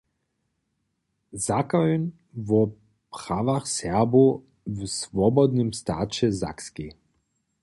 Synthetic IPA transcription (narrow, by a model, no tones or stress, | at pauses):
zakayn | vɔ | pɾaʋaxsɛbu | vsvɔbɔd̪nimst̪aːt͡ʃɛza̰kski